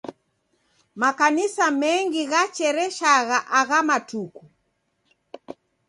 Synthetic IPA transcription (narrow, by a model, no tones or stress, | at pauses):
makanisamɛŋɡiɣat͡ʃɛɾɛʃaɣaʔaɣamatuku